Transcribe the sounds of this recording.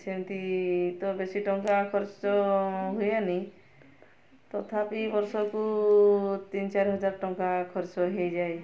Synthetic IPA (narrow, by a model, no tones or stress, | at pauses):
t͡ʃʰemt̪it̪ɔbesiʈɔŋkakʰɔɾt͡ʃɔɦujani | t̪ɔt̪ʰapibɔɾsɔku | t̪int͡ʃaɾɦɔd͡ʒaɾʈɔŋkakʰɔɾt͡ʃɔɦejd͡ʒae